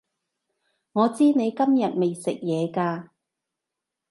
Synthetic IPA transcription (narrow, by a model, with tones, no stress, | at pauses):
ŋɔː˨˧t͡siː˥ne˨˧jkɐ˥mjɐ˨t̚me˨jsɪ˨k̚jɛː˨˧kaː˧